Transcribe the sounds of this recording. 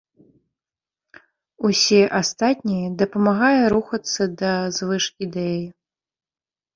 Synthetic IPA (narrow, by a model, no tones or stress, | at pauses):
usʲɛʔast̪at̪ʲnʲijɛd̪ɐpɐmaɣajɛɾuxɐt̪sːɐd̪ɐzvɨʂkʲid̪ɛjjɛ